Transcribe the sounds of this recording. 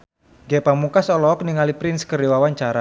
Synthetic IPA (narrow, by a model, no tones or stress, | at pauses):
ɡɛpamukasɔlɔːk̚niŋalipɾɪnskərdewawaɲt͡ʃaɾa